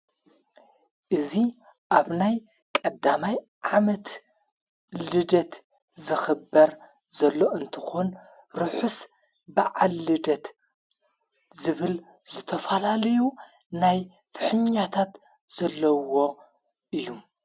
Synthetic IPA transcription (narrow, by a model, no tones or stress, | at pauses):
ʔɨzi | ʔaβnaj | kʼɐd̪amaj | ʕamɐt̪ | lɨd̪ɐt̪ | zɨxɨbːɐɾ | zɐlːo̞ʔɨnt̪ʰɨ̥xon | ɾɨħus | baʕalːɨd̪ɐt̪ | zɨβɨl | zɨt̪ʰɐfɐlalɐju | naj | fɨħɨɲat̪ʰat̪ | z̥ɐlːɐwo̞ | ʔɨjːu